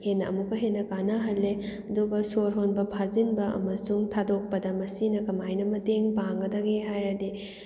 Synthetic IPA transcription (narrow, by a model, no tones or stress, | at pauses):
henːɐʔɐ̰mukːɐɦenːɐkanɐɦɐlːeɐduɡɐsoɾɦonbɐpʰazinbɐʔɐ̰mɐsuŋtʰadok̚pɐdɐmɐsinɐkɐmajnɐmɐteŋpaŋɡɐdɐɡeɦajɾɐdi